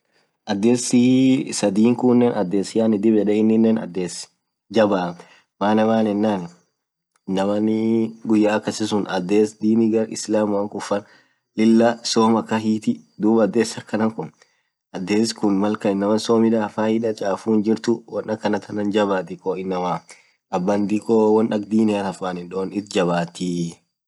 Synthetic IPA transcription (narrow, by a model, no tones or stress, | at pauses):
ʔɐd̪ːeːsɪsɐd̪iːŋkʊnːɛnɐd̪ːeːsɪjaːnɪd̪ɪbɛᶑɛɪnːɪnːɛnɐ̰d̪ːeːs | d͡ʒɐba | maːnɛmaːnɛnːaːn | nːɐmɐnɡʊjːaːkːɐsɪs̬ʊnɐd̪ːeːsd̪iːnɪɡɐɾɪ̰slaːmwɐŋkʊfːɐn | lɪlːɐsoːmɐkːɐɦiːt̪ɪd̪uːbɐd̪ːeːsɐkːɐnɐŋkʊn | ʔɐd̪ːeːskʊnmɐlkɐɪnːɐmɐnsoːmɪᶑafaːhɪᶑɐt͡ʃʼaːfuːnd͡ʒɪɾt̪ʊwɐnʔɐkːɐnɐt̪ʰɐnɐnd͡ʒɐbaːt̪ɪkʼoːɪnːɐmaː | ʔɐbːɐnd̪ikʼoːwɐnɐk̚d̪iːnɪɐnɐfaːnɪnᶑoːnɪt̪d͡ʒɐβaːt̪iː